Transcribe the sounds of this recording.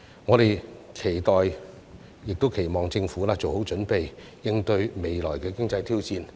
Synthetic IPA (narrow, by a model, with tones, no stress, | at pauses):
ŋɔː˨˧ɾe˨jkʰe˨˩jt̪ɔː˨j | jɪ˨k̚t̪o˥wkʰe˨˩jmɔː˨˩ŋt͡sɪ˧ŋfuː˨˥laː˧t͡so˨˩who˨˥wt͡ʃɵ˨˥npe˨j | jɪ˧ŋt̪ɵ˧ɥme˨jlɔː˨˩jkɛː˧kɪ˥ŋt͡sɐ˧jt̪ʰiː˥wt͡siː˧n